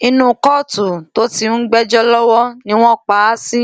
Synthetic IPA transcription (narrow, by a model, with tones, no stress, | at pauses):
i˧˦nũ˦kɔ˦˨tu˨to˨˦ti˦n̩˦ɡ͡bɛ˦d͡ʒɔ˦lɔ˦wɔ˦nĩ˦w̃ɔ̃˦k͡pa˨˦si˦